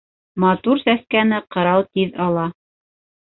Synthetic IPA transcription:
mɑt̪uɾsæskænɘqɤ̆ɾɑwt̪iðɑlˠɑ

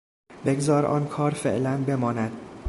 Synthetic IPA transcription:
be̞ɡzɒːɾʔɒ̰ːnkʰɒːɾfḛʔlænbe̞mɒːnæd̪̥

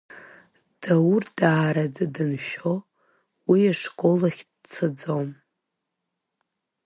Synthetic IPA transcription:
d̥awurdaːɾad͡zɨdɨnʃᶣo | wiaʂkʼolaχʲd | t͡sʰɨd͡zom

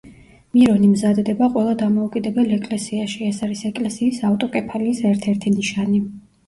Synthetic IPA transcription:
miɾɔnimzad̪d̪ɛbaqʼwɛlˠad̪amɔukʼid̪ɛbɛlɛkʼlɛsiaʃiɛsaɾisɛkʼlɛsiːsaft̪ʼɔkʼɛpʰaliːsɛɾt̪ʰɛɾt̪ʰiniʃani

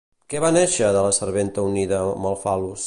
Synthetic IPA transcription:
kɛβanɛʃəðələsəɾβent̪əuniðəməlˠfalus

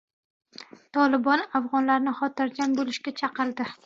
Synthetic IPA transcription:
t̪ʰɒlˠɪbɒnafʁɒnlaɾnɪχɒt̪ɪɾd͡ʒanbolɪʃkʲat͡ʃʰɑqɨlˠd̪ɪ

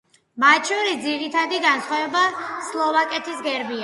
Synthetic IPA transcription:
mat̪ʃʰɔɾisd̪ziɾit̪ʰad̪iɡansχwavɛbaslˠɔvakʼɛt̪ʰisɡɛɾbia

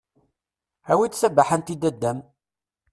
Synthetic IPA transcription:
æwit͡s̪sæbaħant̪id̪æd̪ːæm

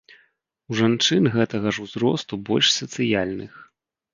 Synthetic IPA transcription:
uʐant͡ʂɨnɣɛt̪ɐɣɐʐuzɾɔst̪ubɔlʲʂsɐt̪sɨjalʲnɨx

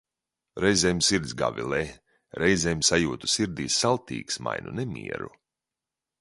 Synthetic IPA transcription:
ɾɛjzʲɛjmsiɾd̪zʲɡa̰vʲḭlɛ | ɾʔɛjzʲɛjmsajuːt̪u̥siɾd̪iːsːalˠt̪ḭːksma̰jnunɛmʲḭɛɾṵ

